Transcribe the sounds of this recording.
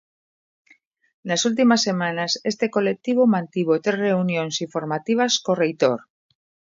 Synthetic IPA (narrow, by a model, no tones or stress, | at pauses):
nasult̪̬imasːe̞mãnasest̪ekolek̚t̪iβomãnt̪iβot̪ereunjõnsifoɾmat̪iβ̞askorejt̪oɾ